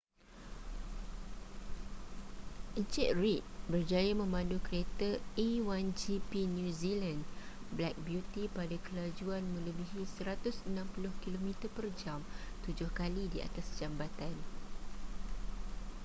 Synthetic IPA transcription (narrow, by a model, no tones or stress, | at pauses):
ʔənt͡ʃɛʔ̚rit̪̚bərd͡ʒajamə̃mãndukəɾet̪aiwand͡ʒipinjuzilanblɛk̚bjut̪ipadakəlad͡ʒuanmə̃ləbiɦisəɾat̪ʊsənãmpulʊhkilomĩt̪əpərd͡ʒamt̪ud͡ʒʊhkalidia̰t̪asd͡ʒambat̪an